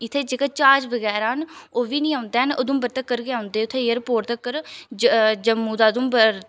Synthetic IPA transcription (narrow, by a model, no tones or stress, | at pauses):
ɪt̪ʰeːd͡ʒeːkat͡ʃaːɾd͡ʒʋəɡɛːɾaɦənoːʋiːnĩːãːʊnd̪eːɦəno̰ːd̪ũːbəɾt̪əkːəɾɡeãːʊnd̪eːʊt̪ʰːeːjəɾpoːɾt̪əkːəɾd͡ʒd͡ʒəmːuːd̪aːd̪ũːbə